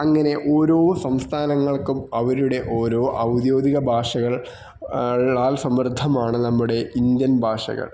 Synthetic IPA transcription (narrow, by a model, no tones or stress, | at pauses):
ɐŋːɐne̞ʔoːɾo̞ːsɐmst̪ʰaːnɐŋːɐɭkumɐʋɐɾuɽe̞ʔo̞ːɾo̞ːʔɐwd̪jo̞ːd̪iɣɐbʱaːʂɐɣɐɭ | ɭaːlsɐmrd̪ʱɐmaːɳɨnɐmːuɽe̞ind̪jɐnbʱaːʂɐ̰ɣɐ̰ɭ